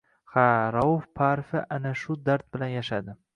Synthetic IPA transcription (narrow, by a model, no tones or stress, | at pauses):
haɾawofpʰaɾfɪʔanaʃʊd̪aɾt̪̚bɪlanjaʃad̪ɪ